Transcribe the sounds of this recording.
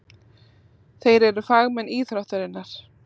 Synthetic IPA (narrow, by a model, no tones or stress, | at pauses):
θejɾɛɾʏfaɣmɛniːθɾawht̪ʏɾɪnːaɾ̥